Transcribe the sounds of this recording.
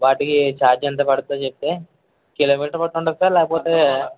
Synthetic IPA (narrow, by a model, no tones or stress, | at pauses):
ʋaːʈikit͡ʃaːd͡ʒɐnt̪̬ɐpɐɽut̪aːt͡ʃep̚t̪eː | kilɐmiʈlɐpɐʈːuɳʈaːɾisaːɾlɛːkɐpoːt̪e̞ː